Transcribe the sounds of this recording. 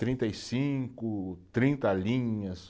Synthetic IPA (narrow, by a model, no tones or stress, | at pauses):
t̪ɾĩnt̪ɐjsĩkʊt̪ɾĩnt̪ɐlĩɲɐs